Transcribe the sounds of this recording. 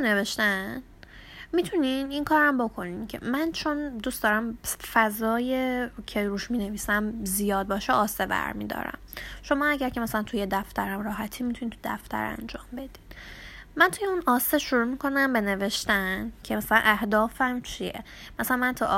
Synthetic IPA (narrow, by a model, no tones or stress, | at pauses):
neveʃt̪æn | mit̪ʰuniniŋkʰɒːɾæmbo̞kʰo̞nincʰe̞̰mænt͡ʃʰo̞nd̪ustd̪ɒːɾæmfæzɒːjecʰeɾuːʃmine̞viːsæmzijɒːd̪̚bɒːʃeʔɒːsebæ̰ɾmḭd̪ɒ̰ːɾæ̰mʃo̞mɒːæɟæɾcʰe̞mæsælænt̪ʰuje̞d̪æft̪ʰæɾæmrɒːɦæt̪ʰiːmit̪ʰunit̪ʰud̪æ̰ft̪ʰæ̰ɾæ̰nd͡ʒɒːmbe̞d̪iːd̪̥mænt̪ʰujeunɒːseʃuɾuːmikʰo̞næmbe̞ne̞ve̞ʃt̪æncʰemæsælæ̰nʔæhd̪ɒːfæmt͡ʃʰiḛ | mæsælænmænt̪ʰu